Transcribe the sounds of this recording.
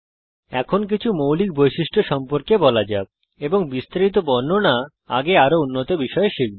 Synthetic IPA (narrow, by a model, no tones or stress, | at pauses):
ɛkʰonk̬it͡ɕʰumowlik̚bojʃiʃʈʰoʃɔmpoɾkebɔlad͡ʑa̰b̚ | eboŋbist̪aɾit̪̬obɔɾnona | a̰ɡeaɾounːot̪obiʃɔeʃik̚d